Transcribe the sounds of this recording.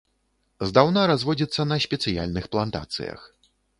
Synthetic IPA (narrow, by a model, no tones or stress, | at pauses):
zd̪awnaɾazvɔd͡zʲit̪sːɐnɐsʲpʲɛt̪sɨja̰lʲnɨxplˠant̪a̰t̪sɨ̰jɐ̰x